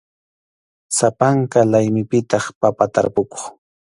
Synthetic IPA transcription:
sapaŋkalajmɪpɪt̪ɑχpapat̪aɾpʊko̥χ

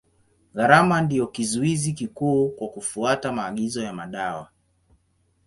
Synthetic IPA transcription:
ɣaɾamandiɔkizuizikikuːkwakufuatamaːɠizɔjamaɗawa

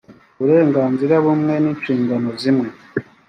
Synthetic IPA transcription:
βuɾe̞ːŋɡaːnziɾaβumŋe̞niːɲt͡ʃiːŋɡano̞zimwe̞

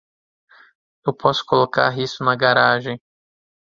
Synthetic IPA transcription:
ewpʰɔsʊ̥koloka̰ɦisʊnɐɡaɾaʒẽj̃

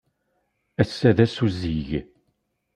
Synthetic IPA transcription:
æsːæðæsuzːiʝ

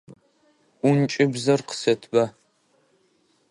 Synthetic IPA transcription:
ʊnt͡ʃʼɪbzɐrqə̥sɐtʰba

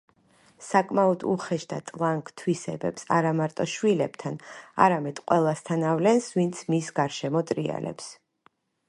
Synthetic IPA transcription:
sakʼmaɔd̪ṵχɛʃd̪at̪ʼlˠaŋkʰʼt̪ʰwisɛbɛ̰psaɾamaɾt̪ʼɔʃwilɛb̥t̪ʰana̰ɾamɛd̪̥qʼwɛlˠast̪ʰanavlɛnsvint̪sʰmisɡaɾʃɛmɔt̪ʼɾia̰lɛ̰ps

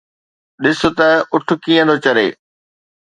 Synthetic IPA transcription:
ɗɪsʊt̪ɐʊʈʰʊ̆kiːə̃d̪oːt͡ɕɐɾḛː

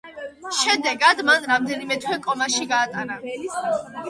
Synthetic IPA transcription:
ʃɛmd̪ɛɡad̪manɾamd̪ɛnimɛt̪ʰwɛkʼɔmaʃiɡaːt̪ʼana

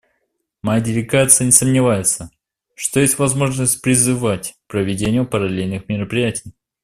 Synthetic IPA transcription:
mɐjadʲɪlʲɪɡat̪sɨjənʲɪsəmnʲɪvajɪt̪sə | ʂt̪ojesʲtʲvɐzmo̞ʐnəsʲt̚ʲpɾʲɪzɨvatʲpɾəvʲɪdʲenʲɪjʊpəɾɐlʲelʲnɨxmʲɪɾəpɾʲɪjætʲɪj

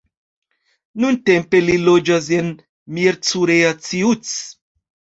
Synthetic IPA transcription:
nunte̞mpe̞lilo̞d͡ʒas̬en | miɾt͡suɾeat͡siut͡s

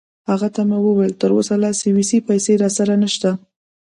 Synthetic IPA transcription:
haɣat̪amawəwajlt̪əɾosalɑsiwisipajseɾɑsaɾanəʃt̪a

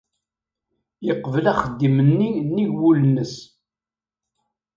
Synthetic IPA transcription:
jəqːvəlæχəd̪ːimənːinːiʝwulənːəs

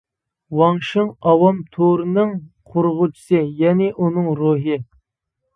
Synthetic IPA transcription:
wɑŋʃɨŋɑwɑmt̪ʰoɾɨnɨŋqʰʊɾʁʊt͡ʃʰi̥sɨjɛnɪʔunɨŋɾoɦɨ

